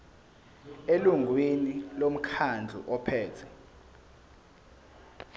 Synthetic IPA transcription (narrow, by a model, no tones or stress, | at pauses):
eluŋwinilom̩kʰand͡ɮʱṵʔɔpʰɛːtʰɛ